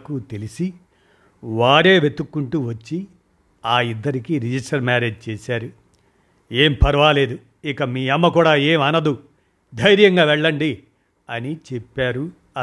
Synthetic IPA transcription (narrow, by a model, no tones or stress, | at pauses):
kut̪e̞lisi | ʋaːɾe̞ːʋe̞t̪ːukːuɳʈuʋɐt͡ʃːi | aːid̪ːɐɾikiːɾid͡ʒisʈɐɾmaːɾe̞ːd͡ʒt͡ʃeːsaːɾu | eːmpʰɐɾʋaːle̞ːd̪u | ikɐmiːɐmːɐkuːɽaːeːmɐnɐd̪u | d̪ʱɐjɾjɐŋɡaːʋɛɭːɐɳɖi | ɐnit͡ʃepːaːɾu | ɐ